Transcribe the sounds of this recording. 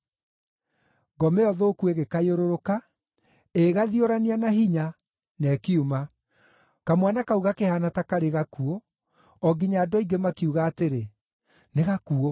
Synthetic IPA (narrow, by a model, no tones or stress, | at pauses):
ɡɔmɛɔðoːkueɣekajoɾoɾoka | eɣaðioɾanianaɦiɲa | nɛkiuma | kamwanakauɣakehanatakaɾeɣakuo | ɔɡiɲaːdɔiɡemakiuɣaːteɾe | neɣakuo